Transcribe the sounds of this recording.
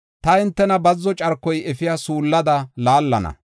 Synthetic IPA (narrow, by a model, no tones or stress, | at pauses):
t̪ɐɪnt̪ːɛnɐbɐzːɔt͡ʃʼɐɾkːɔjɛfɪjaːsuːlːɐd̪ɐlaːlːɐ̰nɐ̰